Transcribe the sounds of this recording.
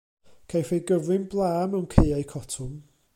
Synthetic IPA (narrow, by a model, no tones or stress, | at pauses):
kʰajfeɡəvrɪnblˠaːmawnkʰeajkʰɔtʰʊm